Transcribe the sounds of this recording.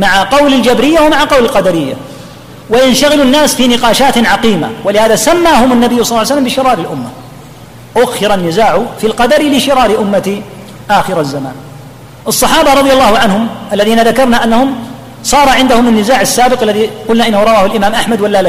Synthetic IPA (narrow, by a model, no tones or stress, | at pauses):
maʕaqɑwlɪld͡ʒabɾɪjːawamaʕaqɑwlɪlqɑd̪aɾɪjːa̰ | waʔɪnʃaɣɪlunːaːsfiːnɪqɑːʃaːt̪ʕɑqiːma̰walɪhaːðasamːaːhʊmanːabɪjːʊsˤɑlːʕjsalːambɪʃɪɾɑːɾɪlʔʊmːa | ʔʊɣxɪɾanːɪzaːʕʊfilqɑd̪aɾlɪʃɪɾɑːɾɪʔʊmːat̪i | ʔaːxɪɾazːama̰ːn | ʔɑsˤːɑħɑːbaɾˤɑðˤjalˤːɑːhʊʕanhʊmʔalːaðiːnaðakɑɾˤnaʔanːahʊm | sˤɑːɾˤɑʕɪnd̪ahʊmanːɪzaːʕasːaːbɪqʔalːaðiqʊlnaʔɪnːahʊɾˤɑwaːhʊlʔɪmaːmʔaħmad̪walːal